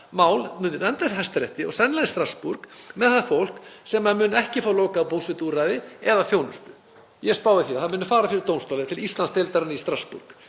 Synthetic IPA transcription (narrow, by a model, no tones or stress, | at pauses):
maːwlmʏːnːʏnɛnt̪aɦɛst̪ɾɛht̪ɪɔɣsɛnːlajðst̪ɾaspuɾkmɛðθaðfowl̥ksɛmaðmʏːnɛhcɪfaɾaloːkaːpʰowsɪt̪uɾaðɪɛðaθjownʏst̪ʏ̥ | jɛspaːwɪθiaθamʏnʏfaːɾafɪɾɪɾt̪oːwnst̪ɔːlat̪ʰɪɾɾist̪lanst̪ɛlt̪aɾanɪist̪ɾaspṵɾ̥k